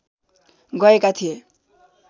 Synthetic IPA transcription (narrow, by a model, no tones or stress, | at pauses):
ɡʌekat̪ʰije